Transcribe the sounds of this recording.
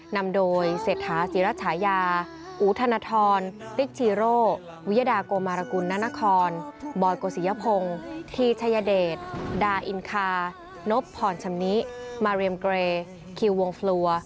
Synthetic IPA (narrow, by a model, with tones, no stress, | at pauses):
na˧mdoː˧jseː˨˩t̪̚ʰːaː˩˦siː˩˦ɾa˦t̪̚sʰaː˩˦jaː˧ | ʔuː˨˩˦t̪ʰa˧naː˧t̪ʰɔː˧nli˦˥k̚t͡ɕʰiː˧ɾoː˥˩ | wi˦˥ja˧daː˧koː˧maː˧ɾa˧ku˧nːa˦˥na˦˥kʰɔː˧nbɔː˧jkoː˧˩si˨˦ja˦˧˥pʰo˧ŋt̪ʰiː˧t͡ɕʰa˧ja˧deː˨˩t̪̚daː˧ʔi˧nkʰaː˧ | no˦˥pʰːɔː˨˩nt͡ɕʰa˧mni˦˥ʔmaː˧ɾi˧ə˧mkɾeː˧ | kʰi˧wːo˧ŋflu˧ɐ